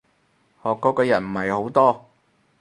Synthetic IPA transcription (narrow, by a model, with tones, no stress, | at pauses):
hɔː˨kːɔː˨˥kɔː˧jɐ˨˩nm̩˨˩hɐ˨jho˨˥wt̪ɔː˥